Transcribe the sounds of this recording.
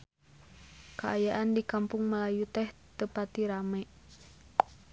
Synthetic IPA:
kaajaʔandikampʊŋməlajut̪ɛht̪əpat̪iɾamɛʔ

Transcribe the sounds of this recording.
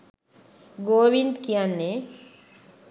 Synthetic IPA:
ɡoːʋind̪kianːe

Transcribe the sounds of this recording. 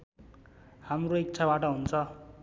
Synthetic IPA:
hamroik̚t͡sʰabaʈʌɦunt͡sʰʌ

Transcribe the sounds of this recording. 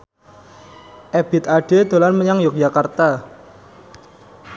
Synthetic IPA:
ʔeb̥ɪ̤t̪aɖ̥ed̪̥o̤lanməɲaŋjʊk̚d͡ʒ̥akart̪a

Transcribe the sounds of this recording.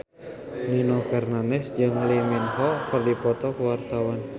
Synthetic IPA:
linɔkɛrnanɛsd͡ʒɨŋliminɦɔkərdipɔt̪ɔkəwart̪awan

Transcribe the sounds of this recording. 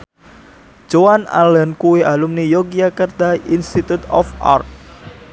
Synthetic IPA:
d͡ʒoana̰lənkuweʔalumnijoɡiakərd̪̥ainst̪it̪ut̪ɔ̰fʔa̰rt̪̚

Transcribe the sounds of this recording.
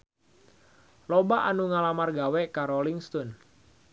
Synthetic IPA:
lɔbaʔanuŋalamarɡawɛkaɾɔliŋst̪ɔn

